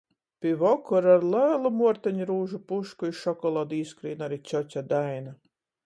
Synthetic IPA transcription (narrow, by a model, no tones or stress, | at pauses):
pʲivɔkɔɾaɾlˠæːlˠumuɔɾt̪aɲɾuːʒupuʃkuiʃɔkɔlˠaːd̪iːskɾḭːnaɾit͡ʃʲɔt͡ɕʲad̪ajna